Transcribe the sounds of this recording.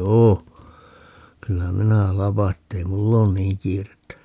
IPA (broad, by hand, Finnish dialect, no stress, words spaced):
joː kylːæ minæ lɑpɑ etːei mulː oːn niːŋ kiːretːæ